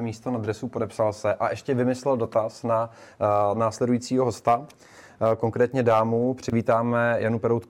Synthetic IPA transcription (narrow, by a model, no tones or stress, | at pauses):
miːst̪onad̪ɾɛsupo̞dɛpsalsɛʔaʔɛʃcɛvɪmɪslɛldo̞t̪asna | naːslɛdujiːt͡siːɦo̞ɦo̞st̪a | ko̞ŋkɾɛːt̪ɲɛdaːmupr̝̥ɪviːt̪aːmɛjanupɛɾowt̪k